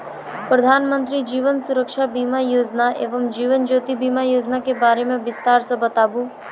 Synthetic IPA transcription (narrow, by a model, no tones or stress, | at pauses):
pɾəd̪ʱaːnmə̃nt̪ɾid͡ʒiːʋənsuɾəkʃabiːmajoːd͡ʒnaʔeːʋəmd͡ʒiːʋənd͡ʒoːt̪ibiːmajoːd͡ʒnakebaːɾemẽʋɪst̪aːɾsəbʱət̪abu